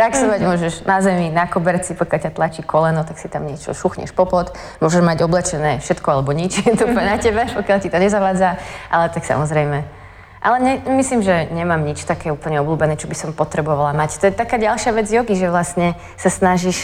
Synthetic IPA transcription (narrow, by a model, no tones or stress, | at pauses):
pɾaksɔʋaɟmʊɔʒɛʒnazɛminakɔbɛɾt͡sipɔkjalcat̪lat͡ʃikɔlɛnɔt̪aksit̪amɲɪɛt͡ʃɔ̰ʃuxɲɛ̰ʃpɔpɔt̪ | mʊɔʒɛʒmaɟɔblɛt͡ʃɛnɛːfʃɛt̪kɔalɛbɔɲit͡ʃɛt̪ɔupəɲɛnacɛbɛpɔkjalcit̪ɔɲɛzaʋaːd͡zaʔalɛt̪aksa̰mɔzɾɛjmɛ | ʔalɛɲɛmisliːmʒɛɲɛmaːmɲit͡ʃt̪akɛːuːpl̩ɲɛɔbluːbɛnɛːt͡ʃɔbisɔmpɔt̪ɾɛbɔʋalamact̪ɔjɛt̪akaːɟalʃɪaʋɛd͡zjɔɡiʒɛʋlastɲɛ | sasnaʒiʃ